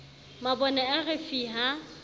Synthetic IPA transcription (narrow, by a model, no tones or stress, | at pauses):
mabɔnɛaɣɪfiɦa